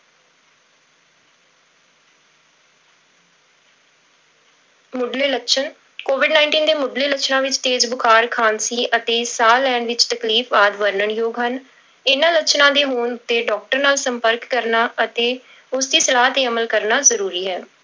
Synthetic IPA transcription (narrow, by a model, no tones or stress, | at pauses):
mʊɖleːləkʃʰən | koːʋɪɖnaːɪɳʈiːnd̪eːmʊɖleːləkt͡ʃʰnãːʋɪt͡ʃt̪eːd͡ʒbʊkʰaːɾkʰaːnsiːʔət̪eːsaːlɛːɳʋɪt͡ʃt̪əkliːfʋaːd̪ʋəɾnəɳjoːɡɦən | ɪnãːləkt͡ʃʰnãːd̪eːɦoːnʊt̪ːeːɖɔːk̚ʈəɾnaːlsəmpəɾkːəɾnaːət̪eː | ʊsd̪iːsəlaːɦt̪eːəməlkəɾnaːzəɾuːɾiːɦɛː